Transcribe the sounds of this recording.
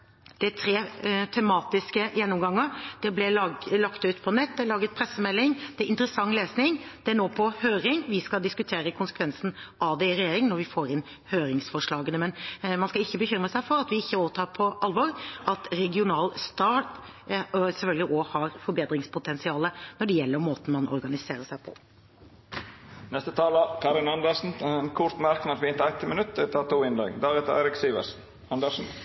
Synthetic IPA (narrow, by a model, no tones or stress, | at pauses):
d̪̥ɪt̪ʰɾeːt̪ʰɛmɑːt̪ɪskəjɛnːʊmɡɑŋːəd̪̥ɛblɛlɑkt̪ʉːt̪pʰɔnɛt̪̚ːd̪ɛlɑːɡət̪̚pʰɾɛsːəmɛlːɪŋd̪̥ɛʔɪnt̪əɾəsɑŋːleːsnɪŋd̪̥ɛæɳoːpʰɔhøːɾɪŋʋɪskɑld̪ɪskʉt̪ʰeːɾəkʰʊnsə̥kʰʋɛnsn̩ɑːd̪ɛɪɾɛjeːɾɪŋnɔɾʋɪfoːɾɪn | høːɾɪŋsfɔʂɭɑːɡənəmɛnmɑnskɑɪçːəbəçʏmɾəsæɪfɔɾɑt̪ʋɪɪçːəoːʋət̪ʰɑːɾpʰɔʔɑlʋɔɾʔɑt̪ɾɛɡɪʊnɑːlst̪ɑːʈ | sɛfœlɡlɪʔɔhɑɾfɔɾbeːd̪ɾɪŋspʰʊt̪ʰɛnsɪɑːlənɔɖɛjɛlːəɾmoːt̪n̩mɑnʔɔ̰ɾɡɑnɪseːɾəʂæɪpʰɔ̰ | nɛst̪ət̪ʰɑːləkʰɑɾɪnɑnd̪əsn̩nkʰʊɾt̪mæɾknɑt̪ʋɪɪnt̪əæɪt̪ːəmənʉt̪ːɪt̪ʰɑt̪ʰuːɪnd̪ɑ̰ːɡd̪ɑːʋɪt̪æ̰ɪɾɪksiːʋə̰ɾsn | ɑnd̪əɾʂn̩